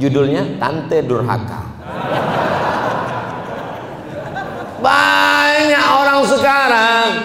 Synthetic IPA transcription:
d͡ʒudʊlɲat̪a̰nt̪eɛdʊrɦa̰ka̰ | baɲakoɾaŋsəkaɾaŋ

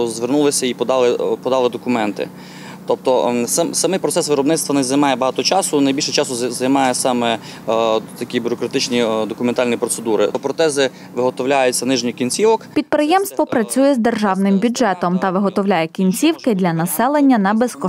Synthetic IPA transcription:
zʋernulˠɪsʲɐipɔd̪ɑlˠɪpɔd̪ɑlˠɪd̪ɔkʊmɛnt̪ɪ̰ | t̪ɔp̚t̪ɔssɐmɪjpɾɔt̪sɛsʋɪɾɔbnɪt̪st̪ʋɐnɛzɐjmɑjɛbɐɦɑt̪ɔt͡ʃɑsʊnɐjbʲilʲʃɛt͡ʃɑsʊzɐjmɑjɛsɑmɛ | t̪ɐkʲibʲʊɾɔkɾɐt̪ɪt͡ʃnʲid̪ɔkʊment̪ɑlʲnʲijpɾɔt̪sed̪uɾɪ̰pɾɔt̪ɛzɪ | ʋɪɦɔt̪ɔwlʲajʊt͡sʲːɐnɪʒnʲikʲinʲt͡sʲiʋɔkpʲid̪̚pɾɪjɛmst̪ʋɔpɾɐt͡sʲujɛzd̪erʒɑwnɪmbʲʊdʒɛt̪ɔmt̪ɐʋɪɦɔt̪ɔwlʲajɛkʲinʲt͡sʲiwkɪd̪ʲlʲɐnɐsɛlˠenʲːɐnɐbeskɔ

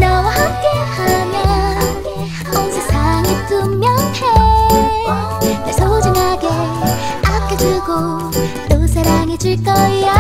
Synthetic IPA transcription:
nʌwahak͈ehamjʌ | ansʰesʰaŋit͈umːjʌŋhe | nesʰod͡ʑɯŋɦaɡe | ak͈ed͡ʑuɭɡo | t̪͈osʰeɾaŋid͡ʑuɭk͈ʌja

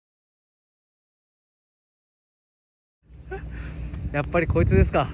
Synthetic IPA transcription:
japːaɾʲiko̞it͡sɨd̪e̞sɨ̥ka

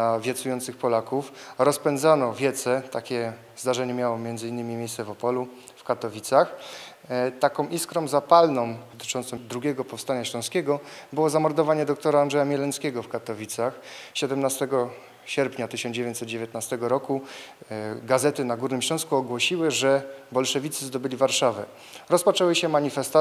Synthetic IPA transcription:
avʲjɛt̪sujɔnt̪sɘxpɔlakufɾɔspɛnd̪zanɔvʲjɛt̪sɛt̪akʲɛ | zd̪aʐɛɲɛmʲjawɔmʲjɛnd̪zɘinːɘmʲimʲjejst̪sɛvɔpɔlu | fkat̪ɔvʲit̪sax | t̪akɔ̃w̃ʔiskɾɔ̃mzapalnɔ̃wd̪ɔt̪ɘ̥t͡ʂɔnt̪sɔ̃d̪ɾuɡʲɛɡɔpɔfst̪aɲaɕlɔ̃skʲɛɡɔbɘwɔzamɔɾd̪ɔvaɲɛd̪ɔk̚t̪ɔɾaːndʐɛjamʲjɛlɛnskʲɛɡɔfkat̪ɔvʲit̪saxɕɛd̪ɛmnast̪ɛɡɔ | ɕɛɾpɲat̪ɘɕɔnd͡ʑevʲeɲt̪sɛd̪̚d͡ʑevʲjet̪̚nast̪ɛɡɔɾɔku | ɡazɛt̪ɘnaɡuɾnɘmɕlɔ̃w̃skuɔɡwɔɕiwɘʐɛbɔlʂɛvʲit̪sɘzd̪ɔbɘlʲivaɾʂavɛ | ɾɔspɔt͡ʂɛwɘɕɛmaɲifɛst̪a

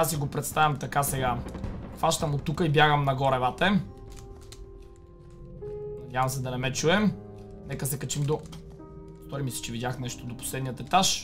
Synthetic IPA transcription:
asiɡopɾɛt̪st̪ajʲɐmt̪ɐkasɛɡaxvaʃt̪ɐmot̪ukəibjaɡəmnɐɡɔɾɛvat̪ɛ | nɐd̪ʲjavɐmsɛd̪ɐnɛmɛt͡ʃuɛm | nɛkəsɛkɐt͡ʃimd̪o | st̪ɔɾimisɛ̥t͡ʃɛvid̪ʲjaxnɛʃt̪od̪opo̥slɛd̪nijət̪ɛt̪aʃ

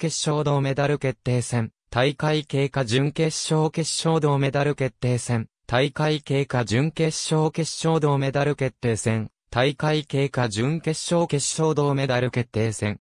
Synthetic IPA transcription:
ke̞ɕːo̞ːd̪o̞ːme̞d̪aɾɯ̟ke̞t̪ːe̞ːsẽ̞n | t̪aikaike̞ːkaʑɨ̃ŋke̞ɕo̞ːke̞ɕo̞ːd̪o̞ːme̞d̪aɾɯ̟ke̞t̪ːe̞ːsẽ̞n | t̪aikaike̞ːkad͡ʑɨ̃ŋke̞ɕo̞ːke̞ɕo̞ːd̪o̞ːme̞d̪aɾɯ̟ke̞t̪ːe̞ːsẽ̞n | t̪aikaike̞ːkaʑɨ̃ŋke̞ɕːo̞ːke̞ɕo̞ːd̪o̞ːme̞d̪aɾɯ̟ke̞t̪ːe̞ːsẽ̞ŋ

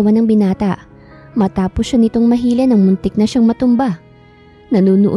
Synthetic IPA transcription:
ɐwanɐŋbɪnaːt̪ɐʔ | mɐt̪aːposːanɪt̪o̞ŋmɐɦiːlɛnɐŋmʊnt̪ɪk̚nɐʃaŋmɐt̪ʊmba | nɐnuːnʊʔ

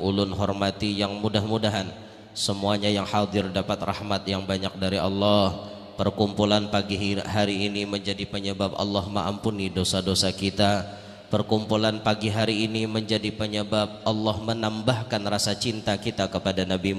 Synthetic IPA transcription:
ʔulʊnɦɔrmat̪ijaŋmudahmudaɦan | səmuaɲajaŋhad̪ɪrdapat̪ra̰hmat̪jaŋbaɲak̚daɾiʔɑ̰lːɑh | pərkumpulanpaɡiɦaɾiːniməɲd͡ʒadipəɲəbabɑ̰lːɑhməŋa̰mpunidosadosakit̪a | pərkumpulanpaɡiɦaɾiːniməɲd͡ʒadipəɲəbab̚ʔɑlːɑhmənambahkanrasat͡ʃint̪akit̪akəpadanabi

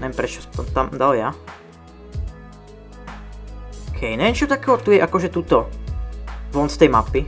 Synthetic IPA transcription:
nɛɛmpɾɛt͡ʃɔst̪ɔmt̪amd̪alja | kʰɛjnɛɛnt͡ʃɔt̪akɛːɦɔt̪ujɛʔakɔʒɛt̪uːt̪ɔ | vɔnst̪ɛjmapi

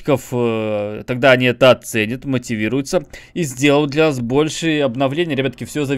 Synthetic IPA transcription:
kəf | t̪ɐɡd̪aɐnʲiɛt̪əɐt̪sɛnʲət̪mətʲɪvʲiɾʊjʊt̪səizʲdʲelˠəjʊt̪d̪lʲɐnasbo̞lʲʂɨjɐbnɐvlʲenʲɪjəɾʲɐbat̪ə̥kʲɪfsʲozɐ

